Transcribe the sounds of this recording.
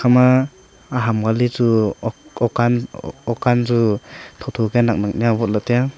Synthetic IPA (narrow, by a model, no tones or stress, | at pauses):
kʰamaː | ɦamɡalizu | ɔkanɔkanzutʰɔtʰɔɡenak̚nak̚nijabɔt̚lateja